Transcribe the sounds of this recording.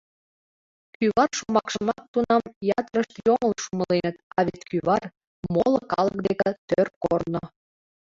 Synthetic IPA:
kyβɑrʃumɑkʃəmɑt̪ːunɑmjɑt̪əɾəʃt̪joməlʃuməlenət̪ɑβʲit̪ʲkyβɑr | moləkɑlək̚d̪ekə̆t̪ørkorno

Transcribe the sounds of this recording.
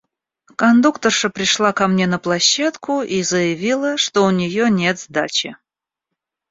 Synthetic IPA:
kɐnd̪ukt̪ərʂəpɾʲɪʂlˠakɐmnʲe̞nəplˠɐɕːat̪kʰʊizəjɪvʲilˠəʂt̪o̞ʊnʲɪjonʲe̞t̪zd̪at͡ɕɪ

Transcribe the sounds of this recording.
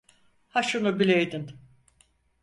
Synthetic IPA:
haʃunubilʲejd̪in

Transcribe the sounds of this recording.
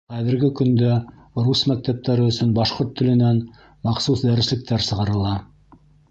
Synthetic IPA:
χæðɘ̆ɾɡɘkɵ̆nd̪æ | rusmæk̚t̪æp̚t̪æɾɘɵ̆sɵnbɑʃqoɾt̪ʰːɘ̆lɘ̆næn | mɑqsusd̪æɾɘ̆slɘ̆k̚t̪ʰæɾsɤ̆ʁɑɾɤ̆lˠɑ

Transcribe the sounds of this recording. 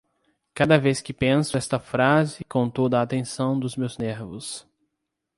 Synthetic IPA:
kad̪ɐveskɪpẽsʊɛst̪ɐfɾazɪkõw̃t̪od̪ɐːt̪ẽsɐ̃w̃d̪ʊzmewzneɾvʊ̰s

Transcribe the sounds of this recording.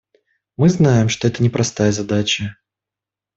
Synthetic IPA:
mɨznajɪmʂt̪oɛt̪ənʲɪpɾʔɐst̪ajəzɐd̪at͡ɕə

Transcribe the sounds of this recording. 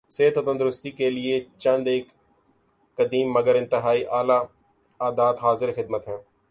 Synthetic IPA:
seːət̪ɐt̪ə̃nd̪ʊɾʊst̪ikeliet͡ʃɐ̃nd̪eːkː | ɐd̪iːmːɐɡəɾɪ̃nt̪ɪɦaːiʔaːla | aːd̪aːt̪ɦaːzɪɾxɪd̪̚mət̪ɦɛ̃ː

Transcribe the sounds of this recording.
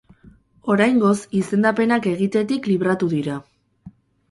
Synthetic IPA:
o̞ɾajŋɡo̞sise̞nd̪ape̞nake̞ɣ̞it̪e̞t̪ikliβ̞ɾat̪uðiɾa

